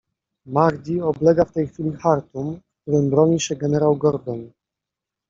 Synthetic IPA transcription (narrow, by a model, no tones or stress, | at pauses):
maɾd̪ʲiɔblɛɡaft̪ɛjxfʲilʲixaɾt̪umkkt̪uɾɘmbɾɔɲiɕɛɡɛnɛɾawɡɔɾd̪ɔn